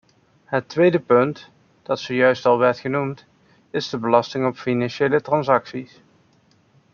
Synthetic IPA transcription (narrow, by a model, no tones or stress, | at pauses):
ɦətʋejdəpɵnt | d̥ɑtsojœɥstɑlˠʋɛɹtχənumt | ɪzdəbəlɑstɪŋɔpfinɑnʃejlətrɑnsɑksis